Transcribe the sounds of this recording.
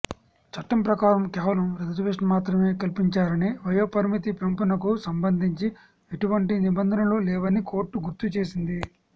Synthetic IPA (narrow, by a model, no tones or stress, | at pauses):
t͡ʃɐʈːɐmpɾɐkaːɾɐmkɛːʋɐlɐmɾɐd̪ɐd͡ʒʋeʂɐnmaːt̪ɾɐme̞ːkɐlpiɲt͡ʃaːɾɐniʋɐjoːpɐɾmit̪̬ipempunɐkusɐmbɐnd̪ʱiɲt͡ʃi | eʈuʋɐɳʈinibɐnd̪ʱɐnɐlulɛːʋɐniko̞ːɾʈːuɡuɾt̪ut͡ʃe̞ːsind̪i